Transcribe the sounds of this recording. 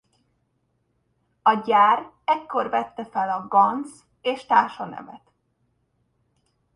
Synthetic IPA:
ɒɟaːr | ɛkːo̞rvɛt̪ːɛfɛlɒɡɒns | eːʃt̪aːrʃɒnɛ̰mɛt̪

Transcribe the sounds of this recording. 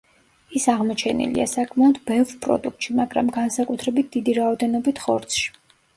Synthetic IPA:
isaʁmɔt͡ʃʰɛnḭlḭa̰sakʰmaɔd̪bɛvɾpʼɾɔ̰d̪uk̚t̪ʃimaɡɾa̰mɡansakʼut̪ʰɾɛbit̪̚ʰd̪̥id̪iɾaɔd̪ɛnɔbit̪ʰχɔɾt̪sʰʃi̥

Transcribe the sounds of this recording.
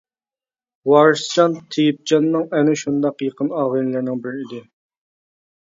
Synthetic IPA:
wɑɾʃst͡ʃɑnt̪ʰijip̚d͡ʒɑnːɨŋɛnɪʃund̪ɑqjəqʰənɑʁɨnlæɾnɪŋbɪɾɪid̪ɪ

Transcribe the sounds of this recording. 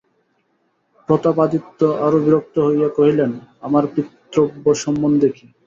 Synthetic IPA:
pɾot̪apad̪it̪ːoʔaɾobiɾok̚t̪oɦojakoɦilenamaɾpit̪ːɾobːoʃɔmːond̪eki

